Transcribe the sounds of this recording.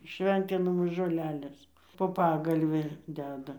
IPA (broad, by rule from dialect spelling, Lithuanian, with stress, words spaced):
ˈʃʲʋʲɛnʲtʲɪnɐmoːs ʒoːˈlʲæːlʲeːs poː ˈpɑːɡɐlʲʋʲɪ ˈdʲæːdɐ